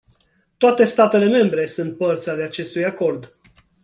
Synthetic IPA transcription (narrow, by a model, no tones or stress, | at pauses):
t̪oat̪e̞st̪at̪e̞le̞me̞mbɾe̞sunt̪̚pərt̪sʲaleat͡ʃe̞st̪ujako̞rd̪